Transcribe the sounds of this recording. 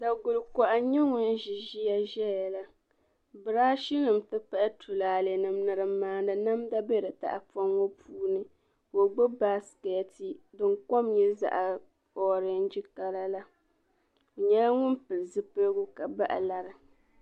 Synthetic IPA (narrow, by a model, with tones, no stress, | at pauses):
da˨ɡʊ˨lkɔ˨ʔa˨ɲɛ˦ŋʊ˦n˦ʒi˨ʒi˦ja˦ʒɛ˦ja˨la˦ | bɨ˨ɾaː˦ʃi˦nɨ˨mtɨ˦pɛ˦ʔtʰu˨laː˨le˨nɨ˨m˦nɨ˨ɾɨ˨˦maː˦nɨ˨na˦mda˦bɛ˦ɾɨ˨ta̰˨ʔa˨fɔ˦ŋːo˦pʰuː˦nɨ˦ | ko˨ɡ͡bo˦ba˦skɛ˨˦ti˨dɨ˨ŋko˦mɲɛ˦za̰˨ʔa˨ | ɔ˦ɾɨ˦n̩˦d͡ʒi˦ka˦la˦la˦˨ | ɲɛ˦la˦ŋʊ˦npɨ˨lɨ˨zɨ˦pɨ˦lɡu˦ka˨ba˦ʔa̰˨la˨ɾɨ˨